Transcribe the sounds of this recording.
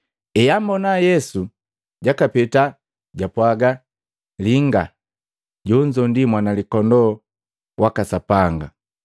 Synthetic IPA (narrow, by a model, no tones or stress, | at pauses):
ɛjambɔnajɛsu | ɟakapɛta | ɟapwaɡa | liŋɡa | ɟɔɲd͡ʒɔndimwanalikɔndɔ | wakasapaŋɡa